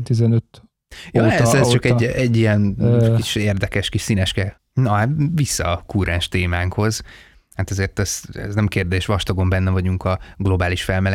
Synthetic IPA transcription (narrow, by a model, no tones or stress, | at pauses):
t̪izɛnøt̪ | joɛzɛzt͡ʃɒkɛɟːɛɟːijɛnkiʃeːrd̪ɛkɛʃkiʃsinɛʃkɛ | nɒvisːɒkuːɾɛːnʃt̪eːmaːŋkho̞z | hat̪ɛzeːrt̪ɛzɛ̰znɛmkeːrd̪eːʃʋɒʃt̪oɡo̞mbɛnːɛvɒɟuŋkɒɡlo̞baːliʃfɛlmɛlɛ